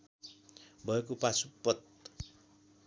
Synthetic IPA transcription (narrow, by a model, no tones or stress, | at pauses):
bʱʌekopasupːʌt̪̚